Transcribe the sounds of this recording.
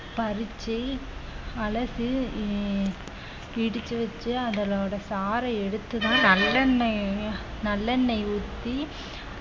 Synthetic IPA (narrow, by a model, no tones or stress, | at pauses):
pɐɾɯt͡ʃːi | ɐlɐsɯ | ɪɽɯt͡ʃːɯʋɐt͡ʃːɯɐðɐloːɽɐsaːɾɐɛɽɯt̪ːɯðãːnɐlːɐnːɐ | nɐlːɐnːɐɪʊt̪ːi